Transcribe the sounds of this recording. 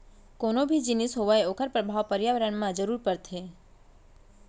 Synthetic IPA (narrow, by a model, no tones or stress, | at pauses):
konobʱid͡ʒinisɦoʋaeokʰəɾpɾəbʱaʋpəɾjaʋəɾəɳmãd͡ʒəɾuɾpəɾt̪ʰe